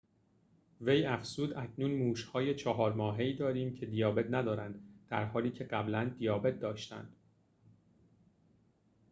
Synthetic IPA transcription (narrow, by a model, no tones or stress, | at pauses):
ve̞jæfsuːd̪æcʰnuːnmuːʃhɒːje̞t͡ʃʰɒɦɒːɾmɒːɦe̞iːd̪ɒːɾiːmcʰe̞d̪ijɒːbe̞t̪næd̪ɒːɾænd̪d̪̥æ̰ɾhɒːliːcʰe̞ɢæblænd̪ijɒːbe̞t̪̚d̪ɒːʃt̪æ̰nd̪̥